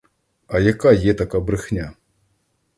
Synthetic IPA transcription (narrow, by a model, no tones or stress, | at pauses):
ɐjakajɛt̪ɐkɐbɾɨxnʲa